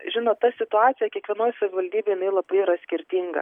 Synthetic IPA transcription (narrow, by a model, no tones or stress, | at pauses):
ʒʲɪnoːt̪t̪ɐsʲɪt̪ʊɑːt̪sʲɪjɛkʲiɛkʋʲiɛnoːjsɐʋʲɪʋɐlʲd̪ʲiːbʲeːjɪnɐɪlˠɐbɐɪɪɾɐsʲkʲɪɾʲt̪ʲiːŋɡɐ̰